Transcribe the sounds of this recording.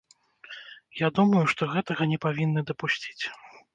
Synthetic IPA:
jad̪umɐjuʂt̪ɔɣɛt̪ɐɣɐnʲɛpavʲinːɐd̪ɐpusʲt͡sʲi̥t͡sʲ

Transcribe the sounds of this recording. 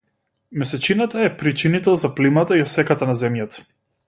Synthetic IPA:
mɛsɛt͡ʃinat̪aɛpɾit͡ʃinit̪ɛlˠzaplimat̪aiɔsɛkat̪anazɛmjat̪ḁ

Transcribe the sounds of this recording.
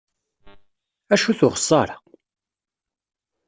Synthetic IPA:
æʃuθʊʁə̥sˤːɑɾˤɑ

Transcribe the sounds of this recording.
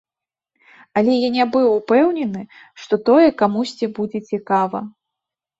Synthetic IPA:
ɐlʲɛjanʲabɨwupɛwnʲɛnɨ | ʂt̪ɔt̪ɔjɛkamusʲt͡sʲibud͡zʲɛt͡sʲikavɐ

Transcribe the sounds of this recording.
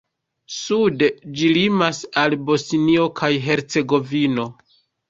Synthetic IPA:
suded͡ʒilimasalbo̞snio̞kʰajɦe̞ɾt͡se̞ɡo̞vino̞

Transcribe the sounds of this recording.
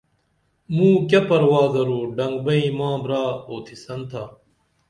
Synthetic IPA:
mũːk̬ʲɐpɐɾwaːzɐɾuːɖɐŋɡ̚bɐĩmãːbɾaːoːt̪ʰisɐnt̪ʰa

